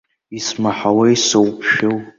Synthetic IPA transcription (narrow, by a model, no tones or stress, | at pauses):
ismaħawaisɨwpʰʃow